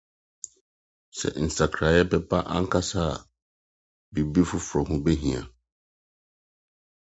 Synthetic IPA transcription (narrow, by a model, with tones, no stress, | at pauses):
sɛ̰˨n̩˨sa˨kʰɾa˨jɛ˦pɛ˦pa˦ʔã̰˦ŋ̩˦kʰa˦saː˦˨ | bi˨bi˦fʊ˦fɾɔ˨ɦʊ̃˦be˦ɦĩ˨a̰˨